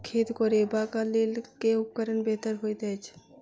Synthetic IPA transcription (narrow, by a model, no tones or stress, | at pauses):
kʰeːt̪koɾeːbakalelkeʊp̚kəɾənbɛːt̪əɾɦoːid̪ɛːt͡ʃ